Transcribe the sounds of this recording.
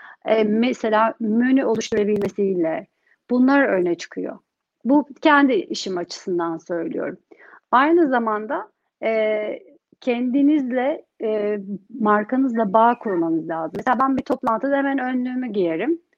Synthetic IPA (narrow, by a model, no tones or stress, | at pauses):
ɛːmɛse̞lʲaːmønyʔo̞lˠuʃt̪ʰuɾabilʲme̞silʲɛ | b̥unlˠaɾønɛt͡ʃʰɯ̥kʰɯjo̞̰ | bucʰɛnd̪iʔiʃimat͡ʃʰɯ̥sɯnd̪ansø̞jlʲḭjo̞̰ɾum | ajnɯzamand̪a | ɛ | cʰɛnd̪inizlʲɛ | maɾkanɯzlˠabaːkʰuɾmanɯzlʲaːzɯmeseabænbit̪ʰo̞plˠant̪ʰɯd̪ahemænønlʲyːmyɟijeɾim